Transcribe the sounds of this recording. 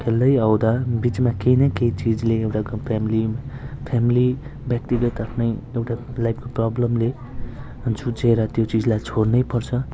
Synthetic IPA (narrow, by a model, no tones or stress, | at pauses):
kʰeld̪ʌjʌwd̪ʌbit͡smakejnʌkejt͡sid͡zleewʈapʰamilipʰamili | bjʌkt̪iɡʌt̪apʰnʌjewʈalajbʰkoprʌblʌmle | nsut͡seɾʌt̪jot͡sid͡zlajt͡sʰornʌjpʌrt͡sʰʌ